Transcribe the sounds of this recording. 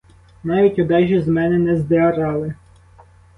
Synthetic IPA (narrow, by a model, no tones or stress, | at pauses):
nɑʋʲitʲɔd̪ɑʒʲizmɛnɛnɛzd̪eɐɾɑlˠɪ